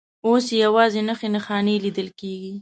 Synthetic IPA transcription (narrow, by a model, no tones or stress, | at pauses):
osjawɑzenəxenaxɑnelid̪əlkeɡi